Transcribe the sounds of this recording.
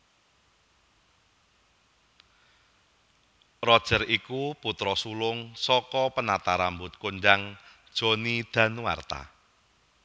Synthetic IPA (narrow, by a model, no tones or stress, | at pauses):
rɔd̥ʒ̥ə̤rikuput̪ɾɔsulʊŋsɔkɔpənat̪aɾambʊt̪̚kond͡ʒaŋd̥ʒ̥o̤nid̪̥ä̤nuwa̰rt̪a̰